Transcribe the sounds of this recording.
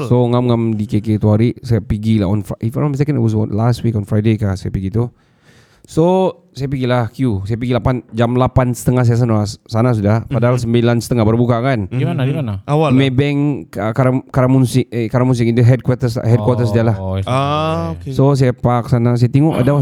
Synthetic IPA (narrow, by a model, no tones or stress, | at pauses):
soŋamŋamdikeket̪uɦaɾisajapiɡila̰ɔnfaifa̰ams̬ɛkə̃na̰wɔsɔnlast̪wikɔnfɾajdekasajapiɡit̪u | so | sajap̬iɡilahkjusajapiɡilapand͡ʒamlapansə̥t̪əŋahs̬ajas̬anaasanas̬udahpadaɦals̬əmbilansə̥t̪əŋabərbukakanianadimanaawamebɛŋəkaɾakaɾamunsɪk̚kaɾamus̬ɪkindəɦɛd̚kwɔt̪əsa̰ɦɛd̚kwɔt̪əsdialahakesos̬ajapaksanas̬ajat̪iŋɔʔa̰da